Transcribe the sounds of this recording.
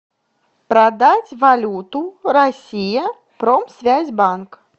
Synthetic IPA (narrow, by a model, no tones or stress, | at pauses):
pɾad̪at͡sʲvalʲut̪uɾasʲijɐ | pɾɔmsʲvʲazʲbank